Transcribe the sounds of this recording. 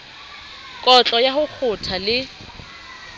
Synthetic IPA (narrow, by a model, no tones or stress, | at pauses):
kʼɔt͡ɬʼɔjahʊk͡xʰʊtʰalɪ